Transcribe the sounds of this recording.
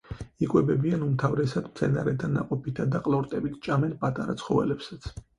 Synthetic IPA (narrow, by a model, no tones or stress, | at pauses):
ikʼwɛbɛbianumt̪ʰavɾɛsad̪mt̪sʰɛna̰ɾɛd̪ʰanːa̰qʼɔpʰit̪ʰad̪aqʼlˠɔɾt̪ʼɛbit̪ʰt͡ʃʼamɛnpʼat̪ʼaɾat̪sʰχɔvɛ̰lɛpsat̪sʰ